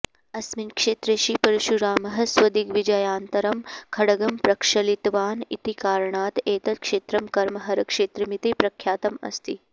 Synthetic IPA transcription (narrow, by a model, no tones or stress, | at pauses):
ɐsminkʂeːt̪ɾeʃipɐɾuʃuɾaːmɐɦɐ̆sʋɐd̪ikʋid͡ʒɐjaːnt̪ɐɾɐmkʰɐɽɐɡɐmpɾɐkʂɐlit̪ʋaːnḭt̪ikaːɾɐɳaːt̪eːt̪ɐt̪̚kʂeːt̪ɾɐmkɐɾmɐɦɐɾɐkʂeːt̪ɾɐmit̪ipɾɐkʰjaːt̪ɐmɐ̰st̪i